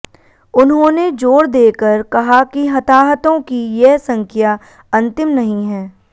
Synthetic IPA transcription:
ʊnɦõːned͡ʒoːɽd̪eːkəɾkɐɦakiɦɐt̪aːɦət̪õkijɛɦsɐ̃ŋkʰija | ɐ̃nt̪ɪmnɐɦĩɦɛː

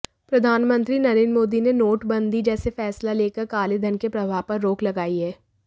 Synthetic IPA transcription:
pɾɐd̪ʱaːnmə̃nt̪ɾinɐɾeːnmoːd̪inenoːʈbɐ̃nd̪id͡ʒɛːsefɛːslaleːkəɾkaːlɪd̪ʱənkepɾɐbʱaːpɐɾːoːklɐɡaːiɦɛː

